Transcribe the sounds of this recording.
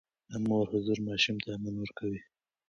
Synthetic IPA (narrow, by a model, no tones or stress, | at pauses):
moɾhʊzuɾmɑʃumt̪amanwəɾkʰawi